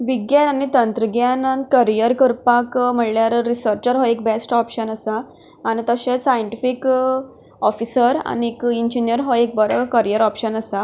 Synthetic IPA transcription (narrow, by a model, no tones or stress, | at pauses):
ʋiɡjananit̪ənt̪ɾəɡjanakəɾijəɾkəɾpakm̤əɽljaɾːisəɾt͡ɕəɾɦɔek̚besʈɔpɕənəsaː | ñit̪əɕẽsajəɳʈifik | ɔfisəɾa̰niekiɲd͡ʑinjəɾɦɔek̚bəɾəkəɾijəɾɔpɕənəsa